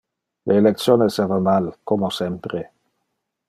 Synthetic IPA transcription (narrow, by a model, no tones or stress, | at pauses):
lʔeːlek̚t̪sjoːnesevamalkomosɛmpɾe